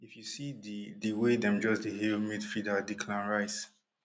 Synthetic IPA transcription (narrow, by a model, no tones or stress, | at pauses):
ifjusididiwedɛ̃md͡ʒɔsdiɦelmitfɹidadikʰlãnɹaɪs